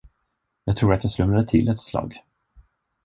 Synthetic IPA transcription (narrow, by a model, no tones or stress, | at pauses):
jɑːɡ̚t̪ʰɾuːɾat̪jɑslɵmɾad̪ət̪ʰɪlɛt̪slɑ̰ːɡ